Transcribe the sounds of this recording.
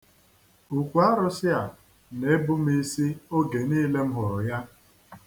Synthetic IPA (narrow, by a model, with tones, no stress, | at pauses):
u˨kʷu˨˦a˦ɾʊ˦sɪ˦a˨ | ne˦bʊ˦m˦i˦si˦o˦ɡe˨niː˦le˦m̩˦ɦɔ˨ɔ˨ja˦